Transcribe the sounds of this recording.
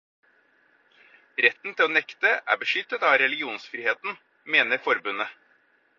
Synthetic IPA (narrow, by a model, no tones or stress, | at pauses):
ɾɛt̪n̩t̪ʰɪloːnɛkt̪əʔæ̰ːbəʂʏt̪ːət̪ɑɾɛlɪɡɪuːnsfɾiːheːt̪n̩ | meːnəɾfɔɾbʉnə